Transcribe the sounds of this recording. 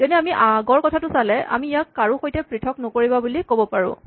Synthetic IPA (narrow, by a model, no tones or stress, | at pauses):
zɔniamiʔaɡɔɹkɔtʰatʊsalɛʔa̰miːjakːaɹuxojtɛpɹitʰɔknɔkoɹibabulikobɔpaɹʊ̰̃